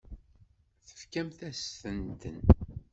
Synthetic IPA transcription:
θə̥fkæmθæsθənt̪ən

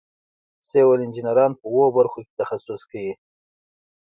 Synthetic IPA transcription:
sewalɪnd͡ʒinaɾɑnpəwobaɾxoke̥t̪axasʊskawi

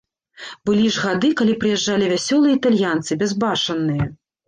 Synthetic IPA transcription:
bɨlʲiʐɣad̪ɨkalʲipɾɨjɛʐːalʲivʲasʲɔlˠɨjɛit̪alʲjant̪sɨbʲɛzbaʂɐnːɨjɐ

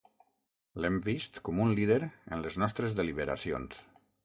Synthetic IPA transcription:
lɛmbist̪kɔmunliðeɾə̰nləznɔst̪ɾəzðəliβəɾa̰sio̰ns

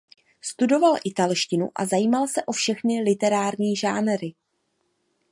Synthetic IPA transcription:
st̪udo̞valʔɪt̪alʃcɪnṵʔa̰zajiːmalsɛʔo̞fʃɛxnɪlɪt̪ɛɾaːɾɲiːʒaːnɾɪ

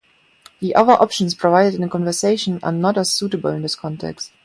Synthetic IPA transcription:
ðiʔaðəʔɔpʃə̃n̩spʰɹ̥ovaɪɾətɪ̃nəkʰɔ̃nvəseɪʃə̃na̰nɔtəsuːtəbl̩ˠɪ̃nðɪskʰɔ̃ntʰɛ̰kst̚

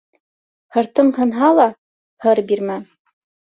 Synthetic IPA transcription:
hɤ̆ɾt̪ɤmhɤ̆nɦɑlˠɑ | hɤɾbiɾmæ

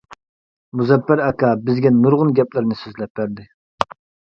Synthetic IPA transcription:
muzɛpːæɾɑkʰɑbɪzɡʲɛnːuɾʁʊnɡʲɛplɪɾnɪsøzlɛp̚ːæɾd̪ɪ

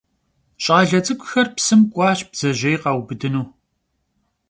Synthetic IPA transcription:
ɕʼaːɮɐt͡sʼɨkʷʼʊxɐrpsɨmkʷʼɑːɕb̥z̥ɐʑɐjqɑwbɨdɨnuː

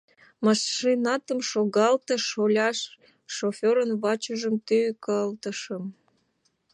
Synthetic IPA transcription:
mɑʃːinɑt̪əmʃoɣɑlt̪əʃolʲɑʃː | ofʲoɾənβɑt͡ɕəʒəmt̪ykəlt̪ə̆ʃəm

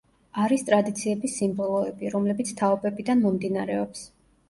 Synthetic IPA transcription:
aɾist̪ʼɾad̪it̪sʰiɛbisimbɔlˠɔɛbiɾɔmlɛbit̪sʰt̪ʰaɔbɛbid̪anmɔmd̪inaɾɛɔps

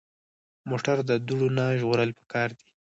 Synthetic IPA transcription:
moʈaɾd̪əd̪uɽonaʒɣoɾəlpə̥kɑɾd̪i

